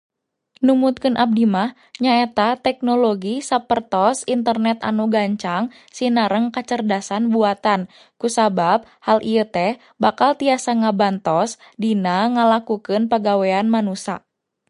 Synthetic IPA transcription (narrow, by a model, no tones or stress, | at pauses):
numut̪̚kɨnʔab̚dimah | ɲaɛt̪at̪ɛk̚noloɡisapərt̪ɔsint̪ərnɛt̪a̰nuɡaɲt͡ʃaŋ | sinaɾəŋkat͡ʃərdasanbuat̪an | kusabab̚halʔijət̪ɛh | bakalt̪iasaŋabant̪ɔs | dinaŋəlakukɨnpəɡawɛanmanusa̰